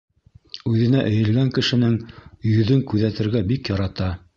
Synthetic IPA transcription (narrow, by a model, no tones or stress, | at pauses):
ʉðɘ̆næʔɘ̆jɘ̆lɡæŋkɘ̆ʃɘ̆nɘŋjɵ̆ðɵŋkʉðæt̪ɘ̆ɾɡæbikjɑɾɑt̪ɑ